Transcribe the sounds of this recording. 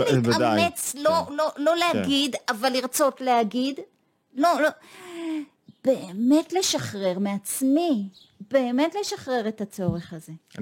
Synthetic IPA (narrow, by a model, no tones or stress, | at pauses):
liadamet͡slololo̞leaɡid̪avalːiʁt͡so̞tleaɡid̪ | lolo | b̥eeme̞tle̞ʃaχʁe̞ʁmeat͡smi | b̥e̞ːme̞tle̞ʃaχʁe̞ʁe̞t̪at͡so̞ʁe̞χaze̞